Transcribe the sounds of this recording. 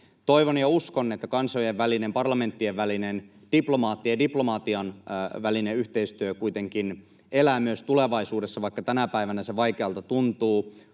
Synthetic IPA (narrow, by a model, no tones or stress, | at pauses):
t̪o̞iʋonjɑuskonːet̪ːækɑnsojeʋʋælinempɑrlɑme̞nt̪ːieʋʋælinen | d̥iplo̞mɑːt̪ːiɑdiplo̞mɑt̪iɑnʋælineyht̪eist̪yøkuit̪e̞ŋkin | elæːmyøst̪uleʋɑisuːdesːɑʋɑikːɑt̪ænæpæiʋænæseʋɑjkeɑlt̪ɑt̪unt̪uː